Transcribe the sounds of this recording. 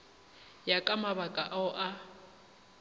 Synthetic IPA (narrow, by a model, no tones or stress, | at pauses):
jakʼamaβakʼaʔaʊʔa